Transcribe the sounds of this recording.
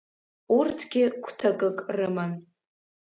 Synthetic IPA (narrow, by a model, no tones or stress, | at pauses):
urtʰɡʲɪkʷʰtʰakʼɨkʼrɨman